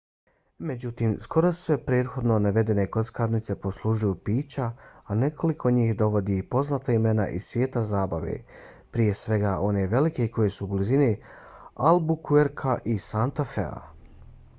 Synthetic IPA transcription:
me̞d͡ʑut̪iːmskʰo̞ɾosʋe̞pɾeːt̪xo̞d̪no̞naʋe̞d̪e̞ne̞ko̞t̪skaːɾnit̪se̞po̞slˠuʒujupiːt͡ɕaːne̞kʰo̞likʰo̞ɲiːxd̪o̞ʋo̞d̪iːpo̞znat̪aime̞na̰ʔisʋje̞ːt̪azaːbaʋḛ | pɾije̞sʋe̞ɡaʔo̞ne̞ʋe̞like̞ko̞je̞sublizini | albukʰueɾkʰaʔisant̪afḛa̰

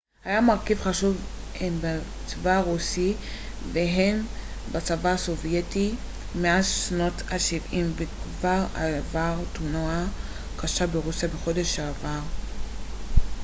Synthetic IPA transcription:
hajamaʁkivχaʃuv | emba | t͡svaʁusi | veɦem | bat͡savaːso̞vjeti | meaʃno̞taʃivimbekvaʁa̰vaʁt̪unoa | kaʃabeʁusjabeχo̞de̞ʃaːvaʁ

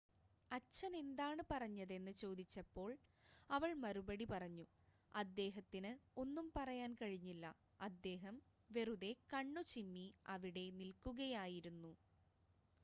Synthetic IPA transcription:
ɐt͡ɕːɐne̞nd̪aːɳɨpɐrɐɲːɐðe̞nːɨt͡ɕo̞ːd̪it͡ɕːɐpːo̞ːɭɐʋɐɭmɐɾubɐɽipɐrɐɲːu | ɐd̪ːe̞ːɦɐt̪ːinɨo̞nːumpɐrɐjaːnkɐɻiɲːilːɐ | ɐd̪ːe̞ːɦɐmʋe̞ruðe̞kɐɳːut͡ɕimːiɐʋiɽe̞nilkuɣɐjaːjiɾunːu

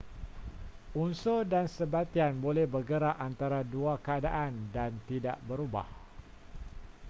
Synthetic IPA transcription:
unsodansəbat̪ianbolɛhbərɡəɾaʔant̪aɾaduakəadaʔandant̪ida̰ʔbəɾuba̰h

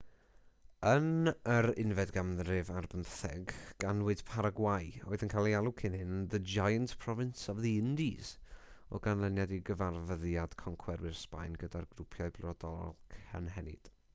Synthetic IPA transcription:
ənəɾɪnvɛdɡamðrɨvarbəmθɛɡɡ̥anwɪd̥pʰaɾaɡwajoɨðənkʰaːlˠialˠʊkʰɪnhɪnðəd͡ʒajəntpʰrɔvɪnsɔvðiɪndiz̥ɔ̰ɡanlˠənjɛdiɡəvarvəðjad̥kʰɔŋkʰwɛɾwɪrspa̰jnɡədarɡrʊpʰjɔɨblˠɔdɔlkʰə̰nɦɛnɪ̰d̥

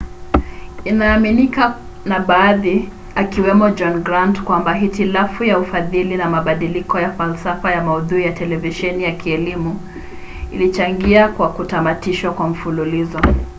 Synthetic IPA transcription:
inaːminika | naɓaːði | akiwɛmɔd͡ʒɔnɡɾandkwambaɦitilafujaufaðilinamaɓaɗilikɔjafalsafajamauðuijatɛlɛviʃɛnijakiɛlimu | ilit͡ʃaŋɡiakwakutamatiʃwakwam̩fululizɔ

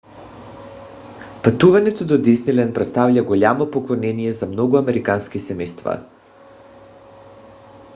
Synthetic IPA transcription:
pat̪uvanɛt̪od̪od̪isnilɛnpɾɛt̪st̪avlʎaɡolʲamopoklˠonɛnijɛzamnɔɡuamɛɾikanskisɛmɛjst̪va̰

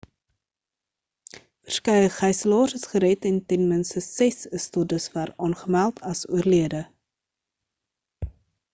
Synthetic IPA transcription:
vərskəjəχɛjsəlɑːsəsχəɾɛtɛntɛnmənstəsɛsəstodəsværɑːnχəmælˠtʰɐsuərliədə

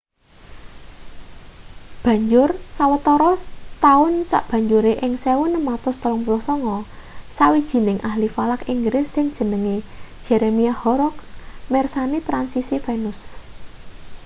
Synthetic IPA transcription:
b̥ä̤ɲd͡ʒʊrsawət̪ɔɾɔt̪aʊnsa̰ʔb̥ä̤ɲd͡ʒuɾeʔɪŋsewʊnəmat̪ʊst̪əlɔŋpulɔhsɔŋɔ | sawid̥ʒ̥i̤nɪŋʔahlifalakiŋɡɾɪsːɪŋd̥ʒ̥ə̤nəŋe̥ʒ̥eɾemiahɔɾɔksmɛrsanit̪ɾansisifenʊs

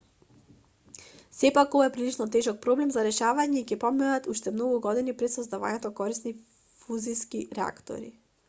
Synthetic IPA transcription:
sɛpakovaɛpɾilit͡ʃnɔt̪ɛʒɔk̚pɾɔblɛmzaɾɛʃavaɲɛicɛpɔmɛnat̪uʃt̪ɛmnoɡuɡɔd̪inipɾɛt̪sɔzd̪ava̰ɲɛt̪okɔɾisni | fuziskiɾɛa̰kt̪o̰ɾḭ

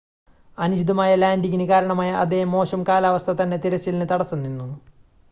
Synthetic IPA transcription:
ɐnuɕid̪ɐmaːjɐlaːndiɣinɨkaːɾɐɳɐmaːjɐʔɐ̰d̪emːo̞ːɕɐmkaːlaːʋɐst̪ʰɐt̪ɐnːe̞t̪iɾɐt͡ɕːilnɨt̪ɐɽɐsːunːinːu

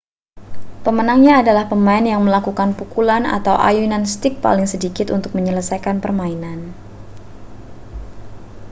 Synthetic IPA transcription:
pəmənaŋɲaːdalahpəmaɪnjaŋməlakukanpukulana̰t̪awʔa̰juinanst̪ɪk̚pa̰lɪŋsədikɪt̪unt̪ʊk̚məɲələsajkanpərmainan

